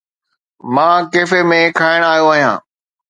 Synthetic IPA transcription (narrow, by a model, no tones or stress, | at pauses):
mãːkeːfemẽkʰaːɪɽ̃aːjoaːɦijã̰ː